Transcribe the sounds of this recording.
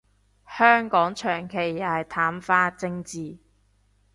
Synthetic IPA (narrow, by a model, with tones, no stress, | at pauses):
hœː˥ŋkɔː˨˥ŋt͡ʃʰœː˨˩ŋkʰe˨˩jːaː˨jt̪ʰaː˨˥mfaː˥t͡sɪ˧ŋt͡siː˨